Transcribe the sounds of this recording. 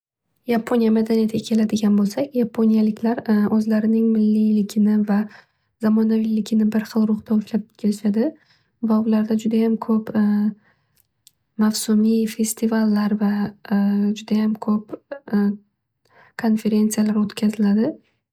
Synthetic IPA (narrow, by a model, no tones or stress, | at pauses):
japʰonijamad̪anijat̪ʰkʲakʲʰe̞lad̪ɪɡʲanbolˠsakʲjapʰonijalɪkʲʰlaɾɵzlaɾɪnɪŋmɪlːilɪkʲʰɪnɪva | zamɒnavilɪkʲʰɪnɪbɪɾχɨlˠɾʊχt̪ʰaoʃlap̚kʲʰe̞lɪʃad̪ɪ | vaʊlaɾd̪ad͡ʒʊd̪ajamkʰɵp | mafsʊmife̞st̪ʰivalːaɾva | d͡ʒʊd̪ajamkʰɵp̚ | kʰo̞nfe̞ɾe̞nt̪sɨjalaɾot̪kʲʰazɪlad̪ɪ